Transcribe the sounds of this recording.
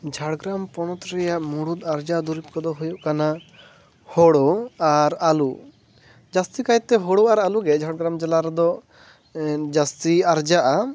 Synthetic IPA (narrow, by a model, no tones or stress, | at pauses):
d͡ʒʱaɽɡɾampɔñɔt̪ɾɛjaʔmuɽud̪aɾd͡ʒad̪uɾip̚kɔd̪ɔɦujuʔkana | hɔɽɔaɾalu | d͡ʒast̪ikajt̪ːɛɦɔɽuaɾaluɡɛd͡ʒʱaɽɡɾamd͡ʒɛlaɾɛd̪ɔ | d͡ʒast̪iaɾd͡ʒaʔa